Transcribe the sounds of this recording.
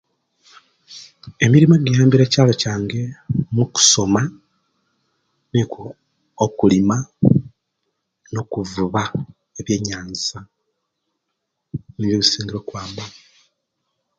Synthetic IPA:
e̞miɾimoɡijaːmbiɾeːcaːlo̞caːŋɡe̞muku̥so̞ma | niko | okulima | no̞kuvuβa | eβje̞ːɲaːnza | niβjoβusiːŋɡiɾokwaːmba

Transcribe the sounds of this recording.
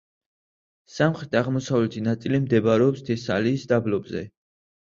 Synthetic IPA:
samχɾɛt̪ʰaʁmɔsavlɛt̪ʰinat̪sʼilimd̪ɛbaɾɛɔpst̪ʰɛsa̰liːsd̪ablɔbzɛ̰

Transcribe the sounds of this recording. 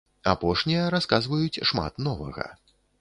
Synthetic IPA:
apɔʂnʲijɐɾaskazvɐjut͡sʲʂma̰t̪nɔvɐ̰ɣɐ̰

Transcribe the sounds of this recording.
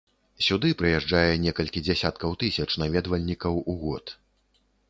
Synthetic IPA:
sʲud̪ɨpɾɨjɛʐd͡ʐajɛnʲɛkɐlʲkʲid͡zʲɛsʲat̪kɐwt̪ɨsʲɐt͡ʂnavʲɛd̪vɐlʲnʲikɐwuɣɔ̰t̪

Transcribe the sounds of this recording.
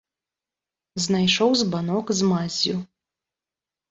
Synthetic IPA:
znajʂɔwzbanɔkzmazʲju

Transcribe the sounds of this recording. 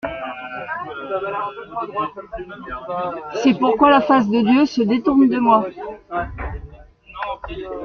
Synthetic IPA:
sɛpuʁkwalafas̬d̪əd̪jøsəd̪et̪uʁnd̪əmwa

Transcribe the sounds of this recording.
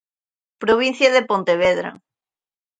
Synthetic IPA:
pɾoβin̟θjaðepont̪eβ̞eðɾa̰

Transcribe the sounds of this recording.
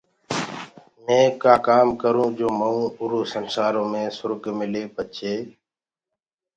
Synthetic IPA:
mẽːkaːkaːmkəɾũːd͡ʒoːməũːʊɾuːsənsaːɾõːmẽːsʊɾɡmɪleːpət͡ʃʰeː

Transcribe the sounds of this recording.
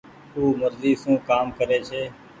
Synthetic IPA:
uːməɾziːsũːkaːmkəɾeːt͡ʃʰeː

